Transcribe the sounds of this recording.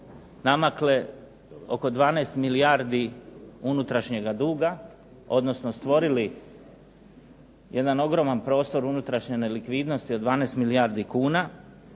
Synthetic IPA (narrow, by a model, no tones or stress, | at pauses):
namakle | o̞̰ko̞d̪ʋaːneːst̪miliaɾd̪iunut̪ɾaʃɲe̞ɡad̪uːɡa | o̞d̪no̞snost̪ʋo̞ɾili | je̞d̪ano̞ɡɾo̞manpɾo̞ːst̪o̞ɾunut̪ɾaʃɲenelikʋiːd̪no̞st̪iod̪ʋaːnest̪milijaɾd̪ikuːna